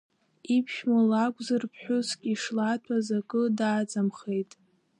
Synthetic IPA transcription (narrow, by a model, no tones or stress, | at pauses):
ipʰʃmalakʷʼzɨrpʰħʷᶣʊskʲʼiʂlatʷʰazakʼɨdaːd͡zamχejtʼ